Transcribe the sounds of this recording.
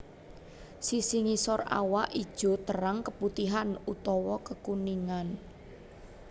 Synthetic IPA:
sisiŋisɔra̰waʔid̥ʒ̥ɔ̤t̪əɾaŋkəput̪iɦanut̪ɔwɔkəkuniŋan

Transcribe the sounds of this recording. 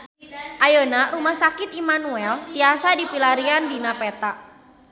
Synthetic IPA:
ʔajənaɾumahsakɪt̪imanuɛlt̪iasadipilaɾiandinapɛt̪aʔ

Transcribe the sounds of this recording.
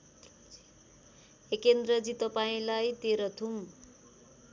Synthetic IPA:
ekend̪rʌd͡zit̪ʌpaĩlajt̪eɾʌt̪ʰum

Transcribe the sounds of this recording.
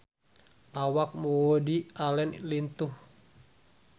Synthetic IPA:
ʔawak̚mowodialɛnlint̪uh

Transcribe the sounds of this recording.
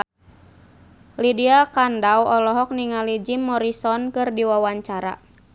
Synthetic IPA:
lidiakandawɔlɔɦɔk̚niŋalid͡ʒimːɔɾisɔnkɨrdiwawaɲt͡ʃaɾa̰

